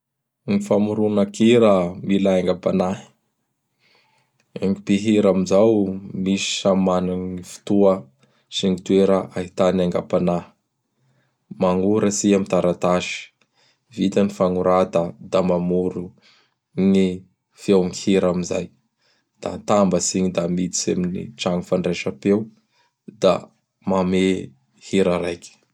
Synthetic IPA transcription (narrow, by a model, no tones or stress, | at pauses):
ŋifamuɾunəkiɾəmilaaŋɡapanaɦi̥ | eŋipiɦiɾamizawmisi̥ʃamanannifu̥t̪uə | siŋit̪uweɾəʔaɦit̪anaŋɡapana | maŋuɾəsiamit̪aɾat̪aʃi̥ | vit̪anifaŋuɾad̪əd̪amamuɾu | ŋi | fewŋihiɾamiza̰j | d̪̥a̰t̪ambəsiɲid̪amit͡s̪i̥seminḭʈ͡ʂaŋufaɳɖ͡ʐeʃapew | d̪̥a̰ | mame | hiɾəɾajki̥